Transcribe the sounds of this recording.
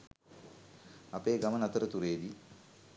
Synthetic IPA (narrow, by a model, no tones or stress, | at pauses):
apeːɡamənat̪əɾət̪uɾeːd̪i